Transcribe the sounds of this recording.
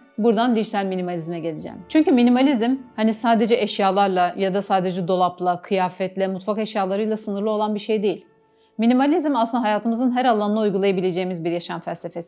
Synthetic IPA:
buɾd̪and̪iʒit̪ʰælʲminimalʲizmɛɟe̞lʲed͡ʒɛ̰mt͡ʃʰyɲcyminimalʲizmhanisaːd̪e̞d͡ʒɛʔɛʃjaːlˠaɾlˠajad̪asaːd̪e̞d͡ʒɛd̪o̞lˠaplˠakʰɯjaːfɛt̪lʲɛmut̪fakeʃjaːlˠaɾɯjlˠasɯnɯɾlˠɯo̞lˠanbiɾʃejd̪e̞jilʲ | minimalʲizmasɯnd̪aɦajaːt̪ʰɯmɯzɯnɦæɾalˠːanaujɡulˠajabilʲed͡ʒe̞jːimizbiɾjaʃamfælʲsefesi̥

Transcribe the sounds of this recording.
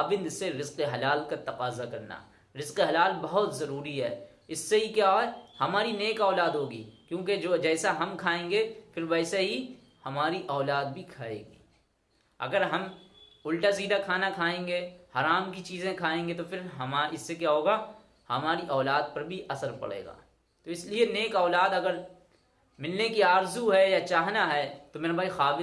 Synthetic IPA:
aːbɪ̃nd̪seɾɪzqeɦɐlaːlkat̪ɐqaːzakɐɾna̰ː | ɾɪzqeɦɐlaːlbɐɦʊt̪zɐɾuːɾiɦɛ̰ː | ɪsːeɦikjaːɦoːɦɛhɐmaːɾineːkɔːlaːd̪ɦoːɡḭːkjõːked͡ʒoːd͡ʒɛːsaɦɐmkʰaːẽːŋɡefɪɾʋɛːseɦi | hɐmaːɾiʔɔːlaːd̪̚bʱikʰaːḛ̃ːɡḭː | ɐ̰ɡəɾɦɐmʊlʈasiːd̪akʰaːnakʰaːẽːŋɡeːhaɾaːmkit͡ʃiːzẽkʰaːẽːŋɡet̪ofʰɪɾɦɐmaɪsːekjaːɦoːɡa | hɐmaːɾiʔɔːlaːd̪̚pɐɾbʱiʔɐsəɾpɐ̰ɽḛːɡa̰ː | t̪oɪslieneːkɔːlaːd̪ɐɡəɾ | mɪlnekiaːɾzuɦɛjat͡ʃaːɦnaɦɛːt̪omeːɾabʱaːixaːʋɪ

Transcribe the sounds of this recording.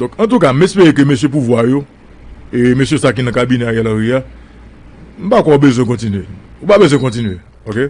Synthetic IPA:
d̪ɔ̃kãt̪uk̬am̩mespeʁek̬ømesjep̬uvwajo | emesjesak̬inɐ̃kabinɛajɛlãɣia | m̩pakʷɔ̃obezw̃ɛ̃kɔ̃tinɥeupabezwɛ̃kɔ̃tinɥe | oke

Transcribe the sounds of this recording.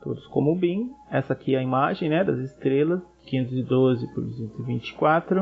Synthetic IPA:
t̪o̰d̪ʊskõ̰mʊʊbĩɛsɐakʰiɛɐimaʒẽj̃nɛd̪ɐzɪst̪ɾelɐs | kẽnt̪ʊzɪd̪ozɪpod̪usẽt̪ʊzɪvĩt͡ʃɪ̥kwat̪ɾʊ

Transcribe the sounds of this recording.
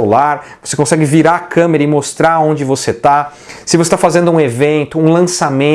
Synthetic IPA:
laɾvosekõsɛɡɪviɾaɐkɐ̃meɾɐɪmost̪ɾaɾõnd͡ʒɪvoset̪a | sɪvose̥t̪afazẽnd̪ʊũevẽnt̪ʊũlɐ̃samẽ

